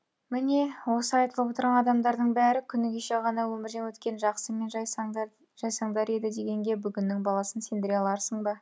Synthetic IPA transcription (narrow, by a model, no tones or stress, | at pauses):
mɪne̞wo̞səɑjt̪əlˠəpwo̞t̪əɾʁɑnɑd̪ɑmd̪ɑɾd̪əɴbæɾɪkʲʰʏnɪɡʲeʃeʁɑnɑwɵmɪɾd̪ewɵt̪kʲe̞nʒɑqsəme̞nʒ | ʒ̥ɑjsɑɴd̪ɑɾe̞d̪ɪd̪e̞ɡʲe̞ŋɡʲe̞bʏɡʲɪnːɪŋbɑlˠɑsənse̞nd̪ɪɾeɑlˠɑɾsəɴbɑ